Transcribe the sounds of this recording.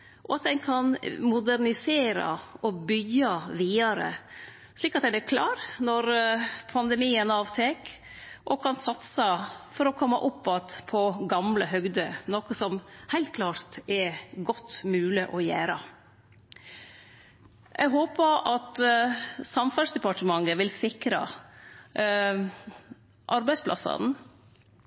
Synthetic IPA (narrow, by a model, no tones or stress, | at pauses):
ʔɔ̰ɑt̪̚d̪ɛnkʰɑnmʊd̪æɾnɪseːɾɑ̰ʔɔbʏɡːɑʋiːɑɾə̰ | ʂliːkːɑt̪d̪ɛd̪ɛkʰlɑːɾnɔɾpʰɑnd̪ɛmiːənɑːʋt̪ʰeːk | ʔɔkʰɑnsɑt̪sɑfɔɾɔkʰɔmːɑ̰ʔʊpːɑt̪pʰɔɡɑmləɦœɡd̪ənɔːkəsɔmhæɪlt̪̚kʰlɑːɾt̪ɛɾɡɔt̪ːmʉːlɪʔɔjæːɾə | ʔɛ̰ɡɦoːpəɾʔɑt̪ | sɑmfɑnsd̪ɛpɑʈəmɑŋːəʋɪlsɪkɾɑ̰ | ʔɑɾbæɪspʰlɑ̰sɑ̰n